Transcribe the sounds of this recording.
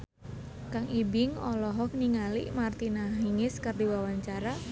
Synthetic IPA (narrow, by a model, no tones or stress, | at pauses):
kaŋibɪŋɔlɔɦɔk̚niŋalḭmart̪inaɦiŋɪskardiwawaɲt͡ʃaɾa